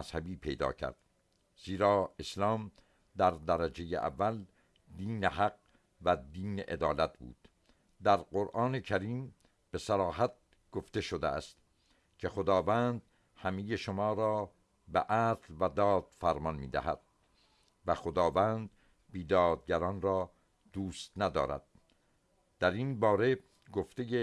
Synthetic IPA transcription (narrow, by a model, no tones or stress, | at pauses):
æz̥hæbiːpʰejd̪ɒ̰ːcʰæ̰ɾd̪̥ | z̥iːɾɒːe̞slɒːm | d̪æɾd̪æɾæd͡ʒejḛʔæ̰vːæl | d̪iːnehæq̚ | væd̪iːneʔed̪ɒːlæt̪̚ʰbṵːd̪̥ | d̪æɾqoɾʔɒːne̞cʰæɾiːm | b̥e̞sæɾɒːɦæt̪̚ | ɡ̥oft̪e̞ʃod̪eæst̪ | cʰexod̪ɒːvænd̪̚ | hæmejeʃomɒːɾɒː | beʔæːslvæd̪ɒːd̪̥fæɾmɒnmḭːd̪æ̰hæ̰d̪̥̚ | væxod̪ɒːvænd̪ | biːd̪ɒːd̪̚ɟæɾɒːnɾɒː | d̪̥uːst̪næd̪ɒ̰ːɾæ̰d̪̥̚ | d̪̥æɾinbɒːɾe̞ | ɡo̞ft̪eje